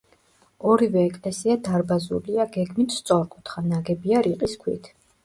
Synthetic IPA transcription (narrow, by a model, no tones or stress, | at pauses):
ɔɾivɛːkʼlɛsiad̪aɾbazṵliaɡɛɡmit̪ʰst̪sʼɔɾkʼut̪ʰχanaɡɛbiaɾiqʼiskʰwḭt̪ʰ